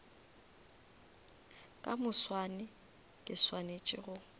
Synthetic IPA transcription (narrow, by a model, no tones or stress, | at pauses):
kʼamʊswanɪ | kʼɪswanet͡ʃʼɪ̰ɣʊ